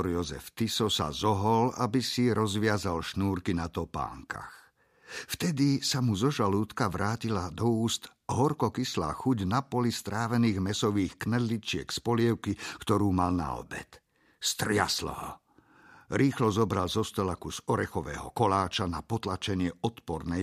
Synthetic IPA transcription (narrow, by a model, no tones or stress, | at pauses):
ɔɾjɔzɛ̰ft̪isɔsa̰zɔɦɔlabisiɾɔzʋɪazalʃnuːɾkinat̪ɔpa̰ːŋka̰x | ft̪ɛd̪isamuzɔʒaluːt̪kaʋɾaːcilad̪ɔuːst̪ | ɦɔɾkɔkisla̰ːxuɟnapɔlist̪ɾaːʋɛniːɣmɛsɔʋiːxknɛd̪lit͡ʃɪɛ̰kspɔlɪɛʊkikt̪ɔɾuːmalna̰ɔ̰bɛ̰t̪ | st̪ɾɪa̰slɛ̰ɦɔ | ɾiːxlɔzɔbɾalzɔst̪ɔlakuz̥ɔɾɛxɔʋɛ̰ːɦɔ̰kɔlaːt͡ʃanapɔt̪lat͡ʃɛɲɪɛɔt̪pɔɾnɛj